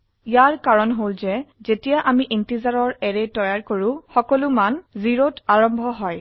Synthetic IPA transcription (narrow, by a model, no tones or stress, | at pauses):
ijaɹkaɹɔnɦolzɛzetijaʔamiʔentizaɹɔɹɛɹɛtɔjaɹkoɹʊ̃xɔkɔlʊmanziɹotaɹɔmbʱɔɦɔj